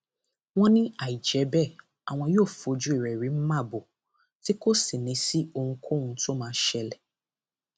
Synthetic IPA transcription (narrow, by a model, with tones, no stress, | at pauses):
w̃ɔ̃˦nĩ˦a˦˨i˨d͡ʒɛ˨˦bɛ˦˨ | a˨w̃ɔ̃˧joː˦˨fo˧d͡ʒu˨˦i˦˨ɾɛ˨ɾi˨˦m̩˦mã˦˨bo˨ | ti˦ko˦si˨nĩ˨˦si˦o˧hũ˧kʰõ˦˧ũ˧to˦mãː˨˧˦ʃɛ˧lɛ˨